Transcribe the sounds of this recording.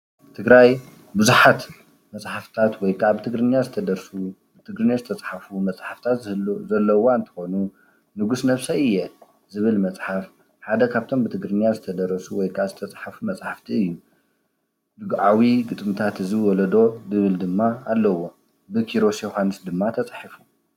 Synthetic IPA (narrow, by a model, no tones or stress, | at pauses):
t̪ʰɨɡɾaj | bɨzuħat̪ | mɐt͡sʼħaft̪ʰat̪wɔjkʰʼaʕbɨt̪ʰɨɡɾɨɲːazɨt̪ʰɐd̪ɐɾsu | bɨt̪ʰɨɡɾɨnːazɨt̪ʰɐt͡sʼħafumɐt͡sʼħaft̪ʰat̪zzɐlːɐwoɨnt̪ʰɨ̥xo̞nu | nɨɡusnɐβsɐɨjːɛ | zɨβɨlmɐt͡sʼħaf | ħad̪ɐkʰaβt̪ʰo̞mbɨt̪ʰɨɡɾɨnjazɨt̪ʰɐd̪ɐɾɐsuwɔjkʰaʕzɨt̪ʰɐt͡sʼħafumɐt͡sʼħaft̪ʰiɨjːu | d̪ɨɡʕawiɡɨt̪ʼmɨt̪ʰat̪ɨziwɔlɐd̪o̞zɨβɨld̪ɨmːaːlːɐwo̞ | bɨkʰiɾo̞sɛxanɨsd̪ɨmːat̪ʰɐt͡sʼħifu̥